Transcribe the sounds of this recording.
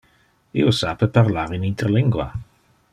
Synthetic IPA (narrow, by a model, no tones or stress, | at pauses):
ḭosapəpaɾlaɾinint̪eɾliŋɡwa̰